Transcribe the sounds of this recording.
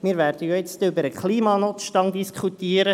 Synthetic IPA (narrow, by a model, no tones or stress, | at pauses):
miːɾvæːrd̥əjojɪt͡stʏbəɾəkχliːmɑnʊt͡sʃtɑŋd̪iskʰutiːəɾə